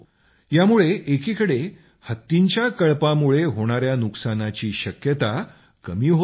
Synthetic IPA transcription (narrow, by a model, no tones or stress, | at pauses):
jamuɭeʔekikəɽe | hət̪ːiɲt͡ɕjakəɭpamuɭeɦoɽ̃aɾjanuksanat͡ɕiːɕəkjət̪a | kəmiːɦo